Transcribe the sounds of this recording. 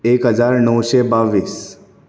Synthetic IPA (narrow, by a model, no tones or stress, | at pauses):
ekɦəd͡zaɾnəwɕebaʋiːs